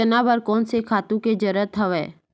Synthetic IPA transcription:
ənabəɾkɔːnsekʰaːt̪ũked͡ʒəɾət̪ʰəʋɛː

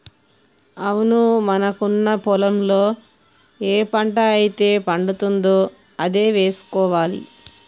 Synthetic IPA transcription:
ɐwunumɐnɐkunːɐpɔlɐmlo̞ː | eːpɐɳʈɐːjit̪e̞ːpɐɳɖut̪und̪oː | ɐd̪e̞ːʋe̞ːsu̥kɔːʋaːlḭ

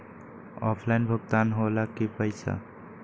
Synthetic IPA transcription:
ɔpʰlajnbʱəɡ̚t̪anɦolakipəɪsa̰

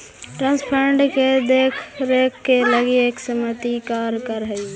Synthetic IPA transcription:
ʈɾãːnspʰəɳɖked̪eːkʰɾeːkʰːeləɡieːksəmət̪ikaːɾkəɾɦəi

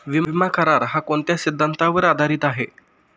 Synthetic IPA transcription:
ʋimakʰəɾaɾɦakoɳt̪jasid̪ʱːant̪aʋəɾad̪ʱaɾiːt̪aɦe

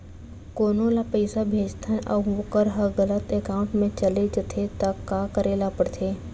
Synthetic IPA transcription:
koːnõlapəɪsabʱeːd͡ʒt̪ʰãʔɐːʋʊkəɾɦɐɣɐlət̪eːkaːʊ̃ɳʈmẽt͡ʃɐled͡ʒɐt̪ʰet̪ɐkaːkɐɾeːlapɐɽt̪ʰeː

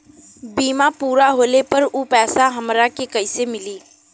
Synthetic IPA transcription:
biːmapuːɾaɦoːlepəɾuːpɛːsaɦɐmɾakekɐɪsemɪliː

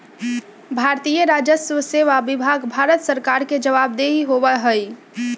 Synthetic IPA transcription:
bʱaɾt̪ijəɾad͡ʒəsʋəseʋabibʱaɡbʱaɾət̪səɾkaɾked͡ʒəʋabd̪eɦiɦoʋəɦəj

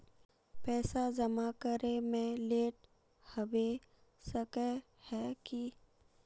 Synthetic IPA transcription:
pɛːsad͡ʒɐmakəɾemẽleːʈ | həwe | səkɛ | hɛki

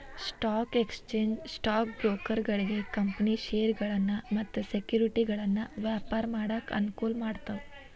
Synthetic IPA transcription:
sʈaːkekst͡ʃeːɲd͡ʒsʈak̚bɾokəɾɡɐɭeɡekəmpəniʃeɾɡɐɭanːamat̪ɐsekjuːɾiʈiɡɐɭanːaʋjapaɾmaɽəkɐ̰nkuːlmaɽt̪a

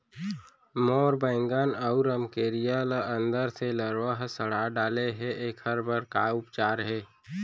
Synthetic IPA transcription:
mɔːɾbə̃ːɪŋɡaːnəʊɾəmkeːɾijalaʔə̃nd̪əɾseləɾʋəɦsəɽ̤aɖaːleɦɛʔeːkhəɾbʱəɾkaʊpt͡ʃaːɾɦɛː

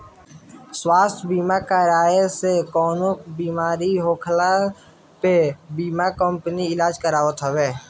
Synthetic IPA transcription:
swaːst̪ʰbiːmakaːɾaːesekɔːnokbiːmaːɾiɦoːkʰla | pebiːmakə̃mpniɪlaːd͡ʒkəɾaːət̪ɦoweː

